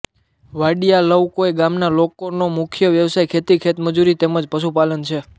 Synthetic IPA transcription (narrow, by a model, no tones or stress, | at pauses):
ʋaɖijaləwkoeɡamnalokonomʊkʰjəʋjəʋsajkʰet̪ikʰet̪məd͡ʒuɾit̪eməd͡ʒpəʃupalənt͡ʃʰe